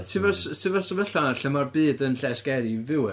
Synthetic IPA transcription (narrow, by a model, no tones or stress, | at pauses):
tʰivɛrstʰɨvɛsəvəɬanaɬəmarbɨːdənɬɛsɡ̥ɛɾivɪw